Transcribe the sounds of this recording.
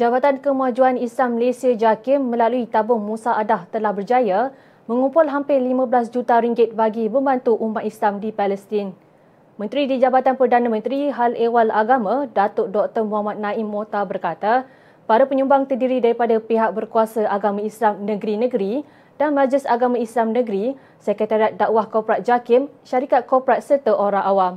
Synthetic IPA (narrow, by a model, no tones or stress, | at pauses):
d͡ʒabat̪ankəmad͡ʒuanislamːəlesiad͡ʒakɪmːə̃laluit̪abʊŋmusaʔadaht̪əlahbərd͡ʒaja | mə̃ŋũmpʊlɦampɪlimãbəlasd͡ʒut̪aɾiŋɡɪt̪̚baɡibə̃mbant̪uʔumat̪islamdipalɛst̪ɪn | mə̃nt̪ɾidid͡ʒabat̪anpərdanãmə̃nt̪ɾiɦalewalaɡamãdat̪ʊdɔk̚t̪ərmuɦamat̪̚nãɪmːot̪abərkat̪a | paɾapəɲumbaŋt̪ərdiɾidaɾipadapiɦak̚bərkuasaʔaɡamãislamnəɡɾinə̃ɡɾi | d̥anmad͡ʒlɪsaɡamãislamnə̃ɡɾi | səkɾət̪aɾiat̪̚daʔwahkɔpɾat̪̚d͡ʒakɪmʃaɾikat̪̚kɔpɾat̪̚sərt̪əʔoɾaŋʔawam